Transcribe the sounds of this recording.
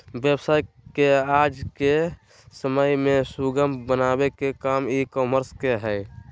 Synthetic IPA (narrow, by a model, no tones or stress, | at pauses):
bjebsaːj | keaːd͡ʒke | səməjmẽsuɡəmbənabekekaːmikɔːməɾskeɦɛɪ